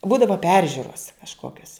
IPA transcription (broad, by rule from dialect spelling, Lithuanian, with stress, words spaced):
ˈbuːdɐʋɐ ˈpʲɛrʲʒʲʊroːs kɐʃˈkoːkʲoːs